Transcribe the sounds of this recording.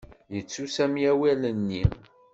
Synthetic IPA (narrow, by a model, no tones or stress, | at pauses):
jət͡sːusæmijæwælənːi